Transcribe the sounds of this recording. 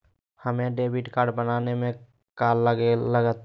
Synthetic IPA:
həmẽɖeːbiʈkaːɾɖbənaːnemẽ | kaːlːəɡeləɡət̪

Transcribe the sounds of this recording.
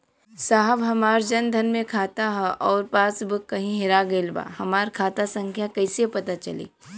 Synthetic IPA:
saːɦəʋɦɐmaːɾd͡ʒɐnd̪ʱɐnmẽkʰaːt̪aɦɛʔɔːɾpaːsbəkːɐɦĩɦɪɾaɡeːlba̰ːhɐmaːɾkʰaːt̪asɐ̃ŋkʰjakɐɪsepɐt̪at͡ʃɐ̰lḭː

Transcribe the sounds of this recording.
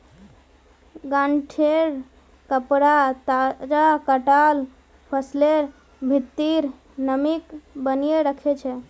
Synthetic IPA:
ɡaɳʈʰeɾ | kəpɾat̪ad͡ʒakəʈal | pʰəsleɾ | bʱit̪ːiɾ | nəmikbənijeɾəkʰɛt͡ʃʰɛ

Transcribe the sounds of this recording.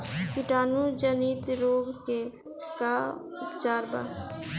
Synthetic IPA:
pɪʈaːnud͡ʒəniːt̪ɾoːɡke | kaʊpt͡ʃaːɾba̰ː

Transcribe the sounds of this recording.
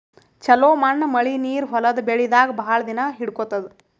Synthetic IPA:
t͡ʃɐloːmɐɳːmɐɭiniːɾɦɔlɐd̪beɭid̪aːɡɐbʱaːɭɐd̪inɐɦiɽkot̪ːɐd̪

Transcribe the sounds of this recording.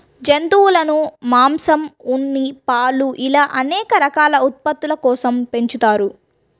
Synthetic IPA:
d͡ʒent̪uwulɐnumaːmsɐmunːipaːluʔilaːʔɐnɛːkɐɾɐkaːlɐut̪̚pɐt̪ːulɐkɔːsɐmpe̞ɲt͡ʃut̪aːɾu

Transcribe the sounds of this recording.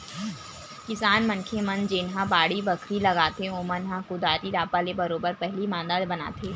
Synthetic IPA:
kɪsaːnmɐnkʰemɐ̃nd͡ʒeːnɦabaːɽibɐkʰɾilɐɡaːt̪eõːmənɦãkʊd̪aːɾiɾaːpalebɐɾoːbəɾpɛɦlimãːnd̪aːlbɐna̰ːt̪ʰeː

